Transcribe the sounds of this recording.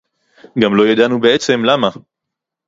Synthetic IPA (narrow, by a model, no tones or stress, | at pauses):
ɡamlo̞jad̪anube̞et͡se̞mlama